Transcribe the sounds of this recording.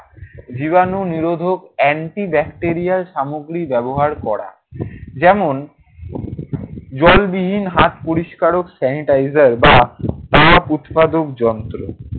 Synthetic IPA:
d͡ʑiβanoniɾod̪ʱokɛɳʈibɛkʈeɾialʃamoɡɾibɛboɦaɾkɔɾa̰ | d͡ʑɛmon | d͡ʑɔlbiɦinɦat̪poɾiʃkaɾoksɛniʈajzaɾbat̪aput̪pad̪okd͡ʑɔnt̪ɾo̰

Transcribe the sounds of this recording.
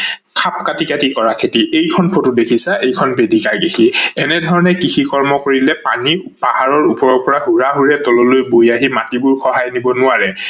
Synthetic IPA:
kʰap̚katikatikɔɹakʰetiʔejkʰɔnpʰotʊdekʰisaʔejkʰɔnbedikaɹɡexiɛnɛdʱɔɹɔnɛkixikɔɹmɔkoɹilɛpanipahaɹɔɹupɔɹɔpɔɹaɦuɹaɦuɹɛtɔlolojbojaɦimatibʊɹxɔɦajnibɔnʊaɹɛ

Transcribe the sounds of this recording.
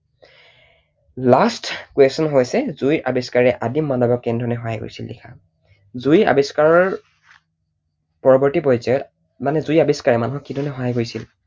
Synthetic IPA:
lastkwestɔnɦojsɛzujʔabeskaɹɛʔadimːanɔbɔkːɛndʱɔnɛɦɔɦajɡo̰jsildḭkʰa̰ | zuja̰beskaɹɔɹ | pɔɹɔbɔɹtipɔjzɔjɔt | manɛzujabiskaɹɛmanuɦɔkːidʱɔnɛɦɔɦajɡojsil

